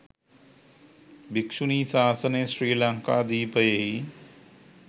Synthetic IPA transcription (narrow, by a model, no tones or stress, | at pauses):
bikʂuniːsaːsəneːsɾiːlaŋkad̪iːpəjei